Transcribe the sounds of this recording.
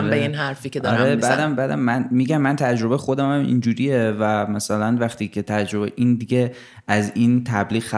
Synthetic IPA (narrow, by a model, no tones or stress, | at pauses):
mbeinɦæɾfiːkeɒɾebæd̪æmbæːd̪æmːænmiːɟæmːænt̪ʰæd͡ʒɾo̞bexo̞d̪æmæmʔḭnd͡ʒuːɾijevæmæsælænvæxt̪ʰiːcʰe̞t̪ʰæd͡ʒɾo̞beʔind̪iɟe | æzint̪ʰæbliːɣxæ